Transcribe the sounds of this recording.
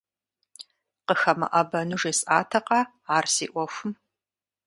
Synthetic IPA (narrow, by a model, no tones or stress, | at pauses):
qəxɐmɐ̰ʔɐbɐnuʐeːsʼaːtʰɐqɑ | aːrsḭːʔʷɔfʷʊm